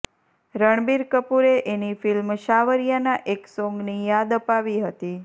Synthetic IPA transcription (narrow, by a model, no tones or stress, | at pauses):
ɾəɳ̃biɾkəpuɾeʔenifilmʃaʋəɾjanaʔeksɔ̃ŋɡnijad̪əpaʋiɦət̪i